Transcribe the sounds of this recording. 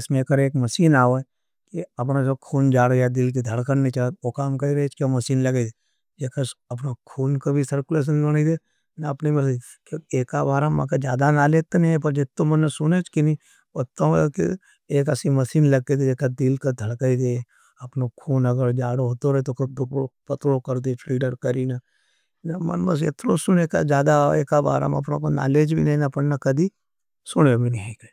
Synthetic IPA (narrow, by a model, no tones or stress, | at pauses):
ɪsmẽkəɾeːkmɐʃiːnaːoɛ | kiɐp̬nad͡ʒokʰuːnd͡ʒaːɽjad̪ɪlk̬id̪ʱɐɽkəɾnit͡ʃaokaːmkɐiɾɐet͡ʃʰkiomɐsiːnlɐɡed̪e | d͡ʒekaɐpnokʰuːnkabʱisɐɾkʊleːʃ̬ənlonid̪e | naɐpnemei | koeːkabaːɾama̰kad͡ʒjaːd̪analeːt̪enpɐɾd͡ʒɪt̪ːomɐnesʊnet͡ʃkini | ot̪ːõkḭ | eːk̬ɐsimɐsiːnlɐɡked̪ed͡ʒekad̪ilkad̪ʱəɽkaid̪e | ɐpnokʰuːnɐɡəɾd͡ʒaːɽoɦoːt̪oɾɐet̪okd̪ʊkopɐt̪ɾokəɾd̪eʈʰɾiːɖəɾkəɾina | namɐ̰nbɐs̬ḛt̪ɾosʊnekad͡ʒjaːd̪aḛːkaba̰ːɾa̰mɐ̰pnõkona̰ːleːd͡ʒbʱinɐĩnapənnɐkɐd̪ʱi | sʊɽebʱineke